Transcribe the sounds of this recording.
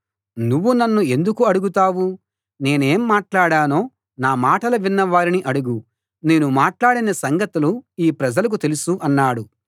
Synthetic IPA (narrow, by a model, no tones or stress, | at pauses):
nuʋːunɐnːue̞nd̪ukuɐɽuɡut̪aːʋu | ne̞ːne̞ːmːaːʈlaːɽaːno̞ː | naːmaːʈɐlɐʋinːɐʋaːɾiniʔɐɽuɡu | ne̞ːnumaːʈlaːɽinɐsɐŋɡɐt̪uluiːpɾɐd͡ʒɐlɐk̬ut̪e̞lusuʔɐnːaːɽu